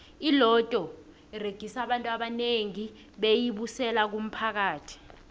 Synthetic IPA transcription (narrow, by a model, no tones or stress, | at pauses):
ilɔtʼɔ | ireɡ̥ʱisaɓantʼwaɓaneŋi | ɓejiɓusɛlak̬um̩pʰak̬aːtʰi̥